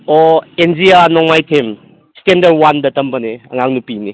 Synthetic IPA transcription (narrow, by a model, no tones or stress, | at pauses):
oend͡ʒianɔŋmajtʰem | stendɐɾwandɐtɐmbɐneɐ̰ŋaŋnupini